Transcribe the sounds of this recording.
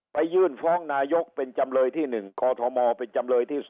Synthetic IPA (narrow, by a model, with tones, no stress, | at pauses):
pa˧jːɯː˧˥˩nfɔː˦˥˩ŋnaː˧jo˦˥k̚pe˧nt͡ɕa˧mlɤː˧jt̪ʰiː˥˩nɯ˨˩ŋkɔː˧t̪ʰɔ˧mɔː˧pe˧nt͡ɕa˧mlɤː˧jt̪ʰiː˥˩s